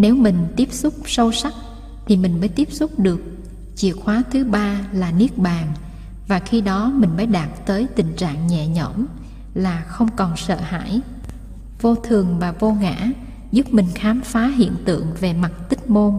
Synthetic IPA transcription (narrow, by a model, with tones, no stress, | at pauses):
ne˨˦wmï˨˩ŋ̟t̪i˦˥əp̚sʊ˦˥k͡p̚sə˧wsa˦˥k̚ | t̪ʰi˨˩mï˨˩ŋ̟məː˨˦jt̪i˦˥əp̚sʊ˦˥k͡p̚ɗɨ˨˩ək̚ | t͡ɕḭ˧˨ət̚xwaː˨˦t̪ʰɨ˨˦ɓaː˧laː˨˩ni˦˥ək̚ɓaː˨˩ŋ | vaː˨˩xi˧ɗɔ˨˦mï˨˩ŋ̟məː˨˦jɗaː˨˩t̚t̪əː˨˦jt̪ï˨˩ŋ̟t͡ɕa̰ː˧˨ŋɲɛ̰˧˨ɲə̰˧˩m | laː˨˩xə˧wŋ͡mkɔ˨˩nsə̰ː˧˨ha̰ː˧˥˨j | vo˧t̪ʰɨ˨˩əŋvaː˨˩vo˧ŋa̰ː˧˥ | zu˦˥p̚mï˨˩ŋ̟xaː˨˦mfaː˨˦ɦḭ˧˨ənt̪ɨ̰˧˨əŋve˨˩ma˨˩t̚t̪ï˦˥k̟̚mo˧n